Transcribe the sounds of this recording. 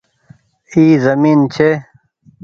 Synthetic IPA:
iːzɐmiːnt͡ɕʰe

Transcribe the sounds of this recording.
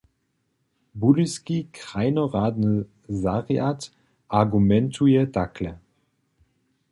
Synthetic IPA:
buliskikʁ̥aɪnɔʁaːdnə | zaʁjat | ʔaɡumɛntʰujɛdakʰlɛ

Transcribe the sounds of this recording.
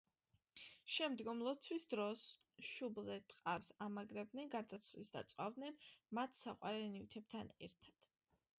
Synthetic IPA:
ʃɛmd̪ɡɔmlˠɔt̪sʰwisd̪ɾɔs | ʃubzɛt̪ʼqʼafsamaɡɾɛb̚d̪nɛnɡaɾd̪at̪sʰvlisd̪a̰t̪sʼwavd̪nɛnmat̪ʰsaqʼwa̰ɾɛnivt̪ʰɛb̚t̪ʰanɛ̰ɾt̪ʰad̪̥

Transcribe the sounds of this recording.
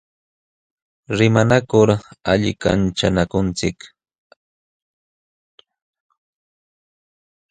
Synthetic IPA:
ɾɪmanakʊɾaʎɪ̰ka̰nt͡ʃanakʊnt͡sɪk

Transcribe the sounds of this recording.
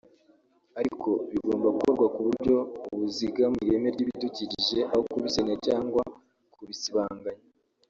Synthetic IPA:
aɾikʰo̞βiɡo̞ːmbaɡukoɾɡwakuβuɾɟo̞uβuziɡamiɾe̞meɾɟiːβituciɾiʒe̞ʔahokuβisenecaːŋɡwa | kʰuβisiβaːŋɡaɲa

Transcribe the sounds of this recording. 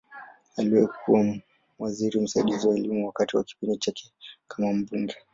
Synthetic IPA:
aliwɛkʰuwa | waziɾim̩saiɗiziwaɛlimuwakatiwaki̥pindit͡ʃakʰɛ̥kʰamam̩ɓuŋɡɛ

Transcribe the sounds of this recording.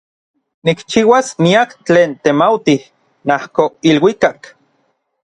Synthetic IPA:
nikt͡ʃiːwasmiakt͡ɬeːnt̪emawt̪ih | nahkoilwikak

